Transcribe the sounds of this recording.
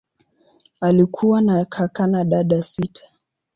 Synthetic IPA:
alikʰuwanakʰakanaɗaɗasitʰḁ

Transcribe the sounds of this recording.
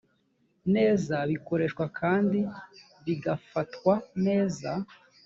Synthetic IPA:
ne̞ːzaβiko̞ɾe̞ːʃkwakʰaːndi | βiɡafatkwane̞ːza

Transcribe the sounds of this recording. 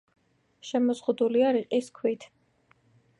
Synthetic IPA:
ʃɛmɔzʁud̪uliaɾiqʼiskʰwit̪ʰ

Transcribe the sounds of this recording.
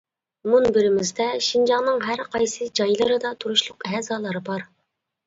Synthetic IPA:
munbɪɾɪmɪzd̪ɛʃind͡ʒɑŋnɨŋɦæɾqʰɑjsɨd͡ʒɑjlˠɨɾɨd̪ɑt̪ʰuɾuʃlˠʊqɛːzɑːlˠɨɾɨbɑɾ

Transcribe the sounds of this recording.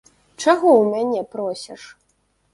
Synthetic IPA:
t͡ʂaɣɔwmʲanʲɛpɾɔsʲɛʂ

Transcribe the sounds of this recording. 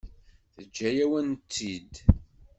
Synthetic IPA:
θəd͡ʒːæjæwænt̪ːid̪

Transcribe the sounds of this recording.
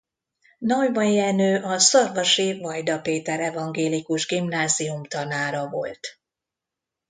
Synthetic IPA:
nɒjbɒjɛnøːʔɒsɒrvɒʃivɒjd̪ɒpeːt̪ɛɾɛvɒŋɡeːlikuʒɡimnaːzijumt̪ɒnaːɾɒvo̞̰lt̪

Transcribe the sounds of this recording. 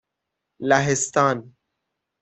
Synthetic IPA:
laɦest̪aːn

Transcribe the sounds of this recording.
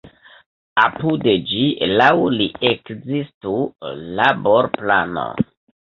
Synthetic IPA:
apuded͡ʒilawliʔekzistulaboɾplano̰

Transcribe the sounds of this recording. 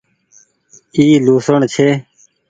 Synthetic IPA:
iːluːsəɳt͡ʃʰeː

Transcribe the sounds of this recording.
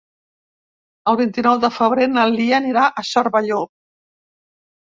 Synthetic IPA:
əlˠβint̪inɔwðəfəβ̞ɾenəlˠd̪iəːniɾaʔəʃəɾβəʎo

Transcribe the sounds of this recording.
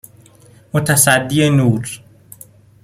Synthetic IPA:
mʊt̪ʰasad̪ːienuːɾ

